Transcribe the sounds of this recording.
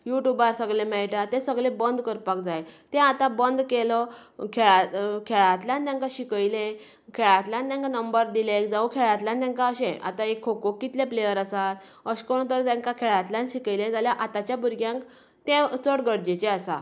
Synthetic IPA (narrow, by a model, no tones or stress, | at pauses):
juʈjubaɾsəɡlemɛjʈat̪ẽsəɡɭẽbənd̪kəɾpak̚d͡zajt̪ɛ̃at̪ãbənd̪kelɔkʰeɭakʰeɭat̪ljãnt̪jãŋkaɕikəjlẽ | kʰeɭat̪ljãnt̪ãŋkanəmbəɾd̪ilekd͡zaũkʰeɭat̪ljãnt̪ãŋkaəɕɛ̃ʔa̰t̪aekʰːokokːit̪lẽplejəɾəsat̪ | əɕkoɳ̃t̪̬əɾt̪ãŋkakʰeɭat̪ljãnɕikəjlẽd͡zaljaʔat̪at͡ɕjabuɾɡjãŋk | t̪ẽt͡səɽɡəɽd͡ʑet͡ɕeasa̰